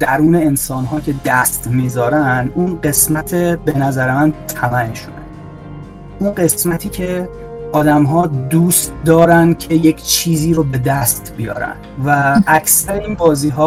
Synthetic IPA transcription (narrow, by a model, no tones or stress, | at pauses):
d̪̥æɾuːne̞ːnsɒːnɦɒːcʰʲe̞d̪æst̪miːzɒːɾænd̪ʔunɢe̞smæt̪ʰebe̞næzæɾemænt̪ʰæmænʃonæ̰n | unɢe̞smæt̪ʰiːcʰe | ɒːd̪æmɦɒːd̪uːst̪̚d̪ɒːɾænd̪cʰe̞jecʰt͡ʃʰiːziːɾobe̞d̪æst̪bijɒ̰ːɾæ̰nd̪̥væʔːcʰsæɾeiːnbɒːziːɦɒː